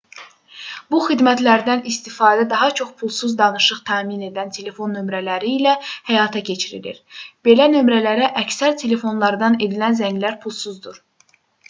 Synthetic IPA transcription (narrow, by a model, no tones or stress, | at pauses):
buxid̪mæt̪ʰlæɾd̪ænist̪ifɑːd̪æd̪ɑɦɑt͡ʃʰo̞χpʰulˠsuzd̪ɑnɯʃɯχt̪ʰæːmine̞d̪ænt̪ʰe̞le̞fo̞nːø̞mɾælæɾiːlæhæjɑːt̪ʰɑcʰe̞t͡ʃʰiɾḭlḭɾb̥e̞lænø̞mɾælæɾæʔæcsæɾt̪ʰe̞le̞fo̞nlˠɑɾd̪ɑne̞d̪ilænzæɲlæɾpʰulˠsuzd̪uɾ̥